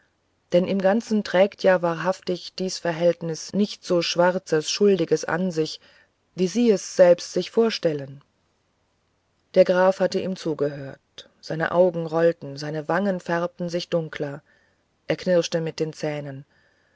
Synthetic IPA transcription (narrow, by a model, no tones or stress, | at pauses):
d̥ɛnʔɪmɡant͡sn̩tʁ̥ɛːktʰjaːvaːɐɦaftɪçd̥iːsfɛɐɦɛltnɪsnɪçtz̥oːʃv̥aʁt͡səsʃʊldɪɡəsʔa̰nzɪç | viːziːɛsz̥ɛlpstz̥ɪçfoːɐʃtɛlən | d̥eːɐɡʁaːfhatəʔḭːmt͡suːɡəɦøːɐt̚ | z̥aɪnə̰ʔaʊɡŋ̩ʁɔltn̩zaɪnəvaŋənfɛɐp̚tn̩zɪçd̥ʊŋkʰlɐ | ʔeːɐkʰnɪʁʃtəmɪt̚d̥eːnt͡sɛːnən